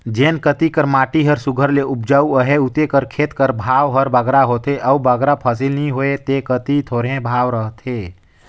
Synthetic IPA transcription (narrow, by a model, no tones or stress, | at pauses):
d͡ʒeːnkət̪ikəɾmaːʈiɦəɾsʊɡʱəɾleʊp̚d͡ʒaːuəɦeut̪ekəɾkʰeːt̪kəɾbʱaːwɦəɾbəɡɾaɦoːt̪eʔəubəɡɾapʰəs̬ɪlnĩɦoet̪ekət̪it̪ʰoːɾɦẽbʱaːʋɾəɦt̪ʰe